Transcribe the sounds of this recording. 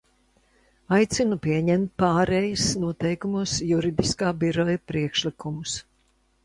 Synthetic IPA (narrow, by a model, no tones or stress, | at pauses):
ajt̪sinupiɛɲɛmt̪̚paːɾɛjusnuɔt̪ɛjkumusjuɾid̪iskaːbiɾɔjupɾiɛkʃlikumus